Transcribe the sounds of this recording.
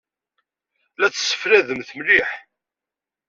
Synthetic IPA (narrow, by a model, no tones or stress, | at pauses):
læt͡sːə̥sːə̥fɾæðəmθmliħ